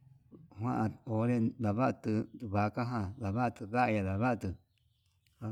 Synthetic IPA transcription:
hʷwʷã˦ʔã˧o˨˦ɾe˦˧ða˨βa˦ʔt̪ɨ˧d̪u˧βa˨˦ka˦ɦã˧ða˨βa˦ʔt̪ɨ˧ða˦ʔa˧ja˧ða˨βa˦ʔa˧t̪ɨ˧

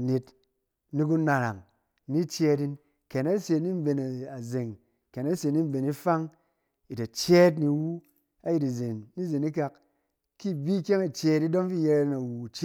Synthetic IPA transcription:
ne˧t | ni˧k̬u˧na˨ɾa̰˨ŋ | ni˦t͡ʃe˧di˧n | ke˨na˦se˧ni˦m˦be˧˨na˨a˨ze˨ŋ | ke˨na˦se˧˨˦ni˦m˦˨be˨ni˦fa˦ŋ | i˨ta˨t͡ʃe˦t̬ni˧wu˦ | a˦ji˧ti˨ze˨nːi˦ze˨ni˦ka˧k | ki˦˨bi˦kʲe˦ŋa˨t͡ʃe˧˦ti˦do˦mfi˦je˧ɾa˧˦na˨wu˨t͡ʃ

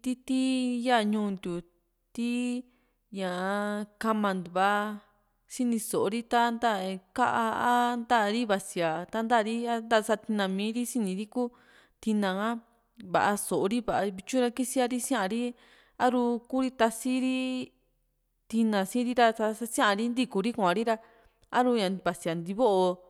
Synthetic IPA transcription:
t̪i˧t̪i˦ja˦˧ɲũː˧nd̪u˨ | t̪i˦ | ɲã˨˧ka˧mã˨nd̪u˨βa˧ | ʃi˦nĩ˧so˨o˧ɾi˦t̪a˦nd̪a˦˨˧ka˦ʔa˧a˦nd̪a˦˧ɾi˦βa˧si˨a˨t̪a˧˦nd̪a˦˧ɾi˦a˦nd̪a˦˧sa˧t̪i˧nã˧mĩː˨˦ɾi˦si˦nĩ˨˧ɾi˦ku˦ | t̪i˧nã˧ã˦ | βa̰˨ʔa˧so˨o˧ɾi˦βa˨ʔβi˧t͡ʃũ˦ɾa˧ki˦si˧a˧ɾi˦sĩ˦ã˧ɾi˦ | a˦ɾu˧ku˦ɾi˦t̪a˧si˦ɾi˦ | t̪i˧nã˧sĩ˦ɾi˦ɾa˧sa˧a˦sĩ˦ã˦a˧ɾi˦nd̪i˦˧ku˧ɾi˦kʷã˨˧ɾi˦ɾa˧ | a˦ɾu˧ɲã˨βa˨si˧a˨nd̪i˧βo˦ʔo˧

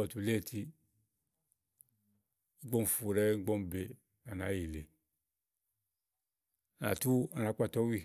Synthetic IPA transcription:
ɔ˨tu˨le˦˨tʰi˧˦ | ɡ͡bɔ˦n˨fu˨ɾɛ˦ŋ̩˦ɡ͡bɔ˦mbe˨ | na˨na˨˦ji˨le˨ | na̰˨tu˦a˨na˨˦k͡pa˦˨tɔ˦wi˦˨

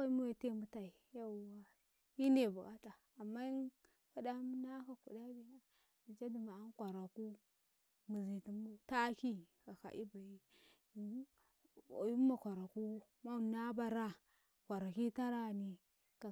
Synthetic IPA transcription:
a˦mu˦we˨te˦˨mu˦ta˨i˨ja˦˨wa˨ | i˦ne˨ba˨ka˦taː˨mːa˦ | ka˦da˦m˦na˦ka˨kṵ˨da˦bi˦a˨ | di˨d͡ʒa˦di˨ma˨a˦n˦kʷa˨ɾa˨ku˦ | mu˨zi˨ti˨mu˦ta˦ki˦ka˨ka̰˨ʔi˦ba˨ji˦˨ | ju˦ma˨kʷa˨ɾa˨ku˦ | ma˦˨na˦ba˦ɾa˦ | kʷa˨ɾa˨ki˦ta˦ɾa˦˨ni˨ | ka˨

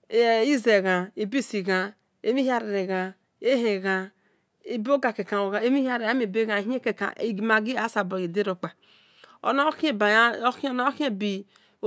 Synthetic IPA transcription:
i˦ze˨ɣa˨i˨bi˦˨si˨ɡa˨ | e˦mi˦ha˦ɾe˨ɾe˨ɣa˨ | e˦ɦe˨ɣa˨ | i˦bo˦ɡa˨ke˨ka˨o˨ɣa˨e˦mi˦ha˦ɾe˨a˦me˨be˦ɡa˨ɦi˦e˦ke˨ka̰˨i˨ɡma˨ɡi˦a˦sa˨bo˨ɣi˨de˦ɾo˨k͡pa˨ | o̰˨n˦kba˨˦ko˦na˦o˦ki˦e˦˨bi˨

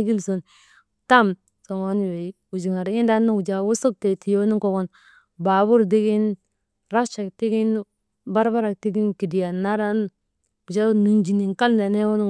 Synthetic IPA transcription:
ɡi˦lso˨n | ta˦m | so˨ŋo˨˦n˦we˨i˦ | u˨d͡ʒi˨ŋa˨ɾi˦nda˦n˦u˨d͡ʒa˨wo˦so˦k̚te˨ti˨jo˦ni˦ŋko˨ɡo˦˨n | ba˨bu˦ɾdi˦ɡi˦n | ɾa˦t͡ʃa˨kti˦ɡi˦n | ba˦ɾba˦ɾa˨k̚ti˦ɡi˦nki˨di˨ja˨nːa˦ɾa˦n˦ | u˨d͡ʒa˦nu˨nd͡ʒi˨ni˨ŋka˦lda˨ne˦wo˦n˦

